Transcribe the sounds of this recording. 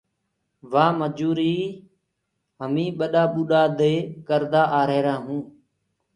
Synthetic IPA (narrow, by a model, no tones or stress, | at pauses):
ʋaːməd͡ʒuːɾiː | ɦəmĩːɓəɗaːɓuːɗaːd̪eːkəɾd̪aːʔaːɾeːɾãːɦũː